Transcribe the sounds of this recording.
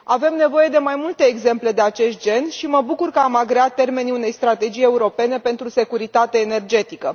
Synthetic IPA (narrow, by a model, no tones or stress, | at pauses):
ave̞mne̞vo̞je̞d̪e̞majmult̪e̞ːɡze̞mple̞d̪e̞at͡ʃe̞st̪̚d͡ʒe̞nʃiməbukurkəamaɡɾeat̪t̪ːe̞rme̞niune̞jst̪ɾat̪e̞d͡ʒije̞uɾo̞pe̞ne̞pe̞nt̪ɾuse̞kuɾit̪at̪eːne̞rd͡ʒe̞t̪ikə